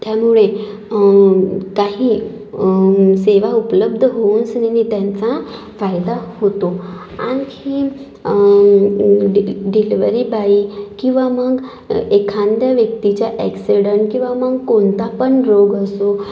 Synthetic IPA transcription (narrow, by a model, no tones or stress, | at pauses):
t̪jamuɭe | kaɦiː | seʋaupləb̚d̪ʱəɦounsninit̪jant͡sa | fajd̪ahot̪o | a̰ñi | ɖiliʋəɾibaikĩw̃ʋaməɡ | ekʰãnd̪jaʋjək̚t̪it͡ɕjaʔɛksiɽəɳʈkĩʋaməɡkoɳt̪apəɳɾoɡəso